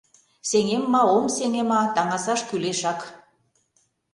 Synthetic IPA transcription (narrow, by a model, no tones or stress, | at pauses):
seŋemːɑomseŋemɑt̪ɑŋɑsɑʃkyleʃɑk